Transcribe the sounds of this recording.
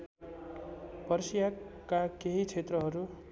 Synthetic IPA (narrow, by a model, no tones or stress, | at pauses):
pʌrsijakakeɦit͡sʰet̪rʌɦʌɾu